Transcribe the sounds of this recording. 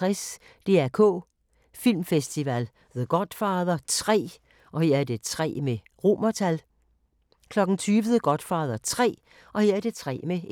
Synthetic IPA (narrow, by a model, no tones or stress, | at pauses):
ʁɛs | d̥e̝ːæɐkʰɔ̰ː | fil̰mfesd̥iʋæl | ðeɡ̥ɒ̽d̥fɑ̈ːðˠɐt͡sʰʁɛ̰ː | ʔɒ̽he̝ɐ̰æɐd̥e̝t͡sʰʁɛ̰ːme | ʁo̝̰mɐt͡sʰæl | kʰlɒ̽ɡ̥n̩t͡sʰyːʋəðeɡ̥ɒ̽d̥fɑ̈ːðˠɐt͡sʰʁɛ̰ː | ʔɒ̽heɐ̰æɐd̥e̝t͡sʰʁɛ̰ːme